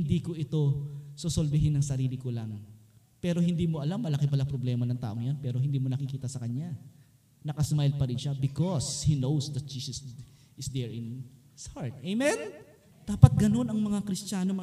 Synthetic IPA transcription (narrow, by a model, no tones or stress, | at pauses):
hɪnd̪iːko̞ʔɪt̪o̞sosolbɪɦɪnɐŋsɐɾiːlɪkolɐŋ | pɛːɾo̞hɪnd̪iːmoʔɐlamːɐlɐkɪpɐlapɾoblɛːmɐnɐŋt̪a̰ːʔoŋjanpɛːɾo̞hɪnd̪iːmo̞nɐkɪkiːt̪ɐsɐkɐɲja | nɐkɐsmajl̚pɐɾɪnʃabɪkoshinowsd̪ɐt̪̚d͡ʒiːsɛs | ʔɪsd̪ɛɹɪn | saɹt̪̚ejmɛn | d̪̥aːpɐt̪̚ɡɐno̞nɐŋmɐŋakɾɪst͡ʃaːnom